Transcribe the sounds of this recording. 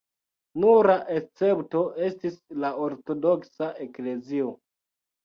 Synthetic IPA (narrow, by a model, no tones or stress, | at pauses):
nuɾaʔe̞st͡se̞pto̞ʔe̞stislaoɾto̞do̞ksaʔe̞kle̞zio